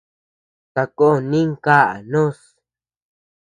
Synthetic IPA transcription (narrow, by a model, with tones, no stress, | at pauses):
sa˧ko˦˨nĩ˦ŋka˦ʔa̰˨nõ˦s